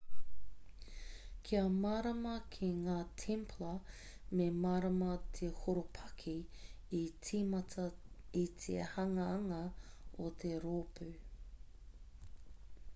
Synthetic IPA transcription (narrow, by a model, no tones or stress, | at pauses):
kʰiɐmaːɾɐmɐkʰiŋaːtʰempʰlɐ | memaːɾɐmɐt̪ʰehoɾopʰɐkʰiː | imɐtʰɐit̪ʰḛhɐŋɐɐŋɐ | ot̪ʰeɾoːpʰʉ